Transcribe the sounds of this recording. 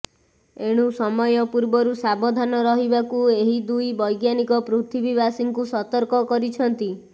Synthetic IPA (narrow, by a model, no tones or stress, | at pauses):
eɽ̃usɔmɔjɔpuɾbɔɾusabɔd̪ʱanɔɾɔɦibakueɦid̪ujbɔjɡjanikɔpɾut̪ʰibibasiŋkusɔt̪ɔɾkɔkɔɾit͡ʃʰɔnt̪i